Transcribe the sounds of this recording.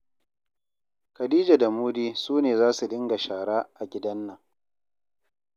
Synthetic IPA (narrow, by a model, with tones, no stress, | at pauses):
kɐ˨diː˦d͡ʒa˨da˨muː˦diː˦suː˦neː˨zaː˦su˨ɗɪ˦ŋɡa˨ʃaː˨ɽaː˦ʔa˨ɡʲɪ˦dɐ˦nːɐ˨ŋ